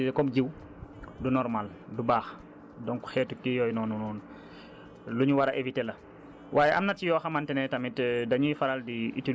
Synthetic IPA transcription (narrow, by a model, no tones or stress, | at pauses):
kɔmɟiw | dunɔɾmal | dubaːx | dɔŋku̥xɛːtukijɔːjnɔnunɔːn | luɲuwaɾaʔevitelɐ | wʔaːjeʔa̰mnat͡ʃijɔːxamantɛnɛtamitdaɲifaɾaldiḭti